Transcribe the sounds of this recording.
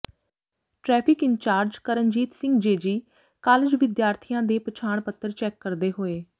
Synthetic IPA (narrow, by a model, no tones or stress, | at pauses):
ʈɾɛːpʰɪkɪnt͡ʃaːɾd͡ʒkəɾənd͡ʒiːt̪sɪ̃ŋɡd͡ʒeːd͡ʒiː | kaːlɪd͡ʒʋɪd̪jaːɾt̪ʰijãːd̪eːpət͡ʃʰaːɳpət̪ːəɾt͡ʃɛːkːəɾd̪eːɦoːeː